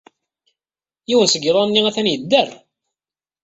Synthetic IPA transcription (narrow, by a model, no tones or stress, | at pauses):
jiwənsəɡɾˤɑnːiæθænjəd̪ːərˤ